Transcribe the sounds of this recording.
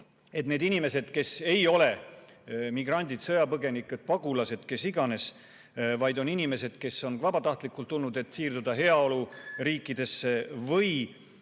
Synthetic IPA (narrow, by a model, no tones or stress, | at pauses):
e̞t̪ne̞ːd̪inime̞se̞d̪̥ke̞se̞jo̞le̞ | miɡ̥rɑnʲd̪id̪̥sɤjɑpɤɡe̞nikːˑut̪̚pɑɡulɑse̞d̪̥ke̞siɡɑne̞s | vɑjd̪̥o̞ninime̞se̞d̪̥ke̞so̞nvɑbɑt̪ɑht̪ˑlikːˑult̪ːulnud̪e̞t̪ːsiːrd̪ud̪̥ɑɦe̞ɑo̞luɾiːkːˑid̪̥e̞sːe̞vɤj